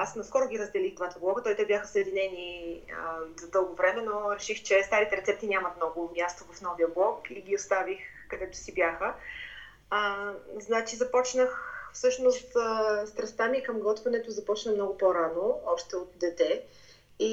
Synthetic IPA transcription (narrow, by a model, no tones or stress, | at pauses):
asnɐskɔɾʊɡʲiɾəzd̪ɛliɣd̪vat̪ɐblˠɔkət̪ɔit̪ɛbjaxəsəɛd̪inɛniəzɐd̪ɤlˠɡovɾɛmɛnoɾɛʃixt͡ʃɛst̪aɾit̪ɛɾɛt̪sɛp̚t̪inʲamət̪mnɔɡʊmʲjast̪ovɐfn̪ɔviəblˠɔkiɡʲiost̪avix | kɐd̪ɛt̪ʊ̥sibjaxə | əznat͡ʃizɐpɔt͡ʃnəxfsɤʃnost̪əst̪ɾɐst̪amikɐmɡɔt̪vɐnɛt̪ozɐpɔt͡ʃnəmnɔɡʊpoɾanoɔpʃt̪ɛot̪̚d̪ɛt̪ɛ | i